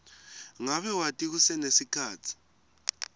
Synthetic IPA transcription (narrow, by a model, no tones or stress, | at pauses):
ŋaβɛwatʼik̬usɛnesikʰaːtʰi̥